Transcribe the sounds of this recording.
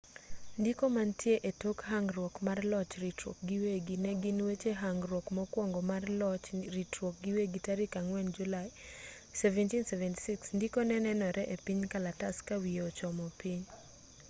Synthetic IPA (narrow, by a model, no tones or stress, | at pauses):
ndikomantjeʔetokhaŋɡɾwɔkmarlɔt͡ʃɾitɾɔ̰k̚ɡiweɡinɛɡɪnwet͡ʃeɦaŋɡɾwɔkmɔkwɔŋɡɔmarlɔt͡ʃɾitɾwɔk̚ɡiweɡitaɾikaŋwɛnd͡ʒulaj | sɛvɛntinsɛvɛnti̥siksndikonɛnɛnɔɾɛʔepiɲkalataskawieɔt͡ʃɔmɔpiɲ